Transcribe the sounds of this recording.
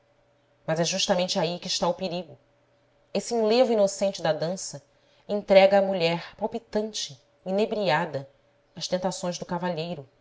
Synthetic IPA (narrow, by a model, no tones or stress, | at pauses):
mɐzɛʒuʃt̪ɐmẽnt͡ʃɪaikɪːʃt̪aupeɾiɡʊ | esiĩlevʊinosẽnt͡ʃɪd̪ɐd̪ɐ̃sɐ | ẽŋt̪ɾɛɡɐːmuʎɛɾpawpit̪ɐ̃nt͡ʃɪ | inebɾiad̪ɐ | ɐʃt̪ẽnt̪asõj̃zd̪ʊkavaʎejɾʊ